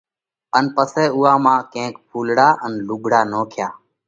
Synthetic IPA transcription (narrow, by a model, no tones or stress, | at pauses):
ənpəsɛːuːaːmãːkẽːkpʰuːlɽaːʔənlʊɡʱɽaːnoːkʰjaː